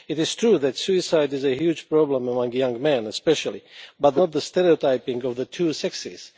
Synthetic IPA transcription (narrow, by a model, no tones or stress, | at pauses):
ɨɾɪz̥tʰɹuðætsuɪsaɪdɨzɨhjud͡ʒpɹɔblə̃məmʌ̃ŋjʌ̃ŋɡmɛ̃nɨspɛʃəlˠibʌtⁿnɔt̪̚ðəstɛɾiotaɪpɪ̃ŋɔvðətʰusɛksḭz̥